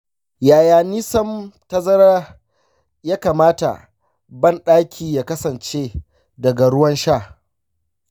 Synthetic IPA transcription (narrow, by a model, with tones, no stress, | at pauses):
jaː˨jaː˨niː˦sɐ˦mtɐ˦zɐ˦ɾaː˦ | jaː˦kaː˨maː˦ta̰˨ | bɐ˦˨nɗaː˦kʲʰiː˨jaː˦kɐ˦sɐ˨nt͡ʃeː˦ | dɐ˨ɡa˨ɽʊ˦wɐ˦nʃaː˦˨